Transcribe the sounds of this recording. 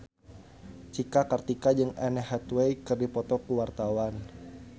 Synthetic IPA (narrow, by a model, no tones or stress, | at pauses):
t͡ʃikakərt̪ikad͡ʒɨŋɛnɛɦɛt̪wejkɨrdipɔt̪ɔkuwart̪awan